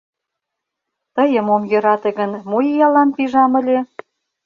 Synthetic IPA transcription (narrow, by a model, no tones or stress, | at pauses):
t̪əjəmomjø̆ɾɑt̪eɣənmojijɑlɑnpiʒɑməlʲe